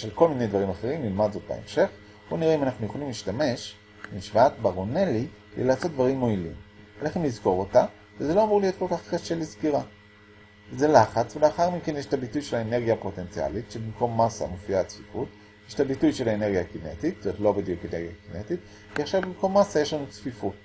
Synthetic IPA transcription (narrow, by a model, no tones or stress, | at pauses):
ʃelko̞lmine̞jd̪vaʁimaχe̞ʁimlilmadzo̞t̚ba̰ḛmʃe̞χ | huniʁeimanaχnujo̞χolimliʃtame̞ʃ | miʃvaatbaʁoneli | lḛlat͡so̞t̚d̪vaʁimːo̞ilḭmalaχemlizko̞ʁo̞ta | vezelo̞amuʁlijo̞t̚kolkaχkaʃe̞lizkiʁa | ze̞laχat͡sveleaχaʁmike̞njeʃtabitujʃelaene̞ʁɡiapo̞te̞nt͡sia̰litʃebimko̞mːasa̰mofiat͡sfifut | jeʃtabitujʃe̞laene̞ʁɡiakine̞tittomt̪lo̞bid̪jukeneʁɡijakinetit | viaχʃavbimko̞mːasaje̞ʃlanut͡sfifut̚